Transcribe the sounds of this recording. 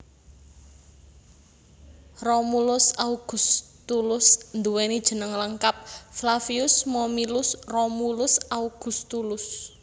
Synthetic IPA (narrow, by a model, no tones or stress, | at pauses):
romulʊsauɡ̥ṳst̪ulʊsnd̪uwenid̥ʒ̥ə̤nəŋləŋkap̚flafiʊsmɔmilʊsromulʊsauɡ̥ṳst̪ulʊs